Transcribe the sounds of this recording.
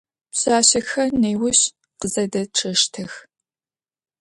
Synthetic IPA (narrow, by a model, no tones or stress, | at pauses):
pɕaːɕɐxɐnejwʊɕ | qəzɐdɐʈ͡ʂʰɨʂtʰɨx